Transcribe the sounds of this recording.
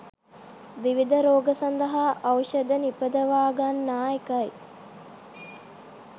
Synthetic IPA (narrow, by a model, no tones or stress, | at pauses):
ʋiʋid̪əɾoːɡɐsɐnd̪ɐɦaːʔɐwʃɐd̪ənipəd̪ɐʋaːɡɐnːaːjekɐj